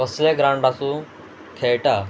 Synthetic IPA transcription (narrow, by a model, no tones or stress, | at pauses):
əsleɡɾãɳɖasũ | kʰeɭʈa